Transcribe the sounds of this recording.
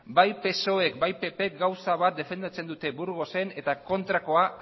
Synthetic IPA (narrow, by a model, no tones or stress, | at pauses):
bajpe̞so̞e̞kbajpe̞pe̞k̚ɡawsaβat̪̚d̪e̞fe̞nd̪at͡se̞nd̪ut̪e̞buɾɣ̞o̞se̞ne̞t̪ako̞nt̪ɾako̞a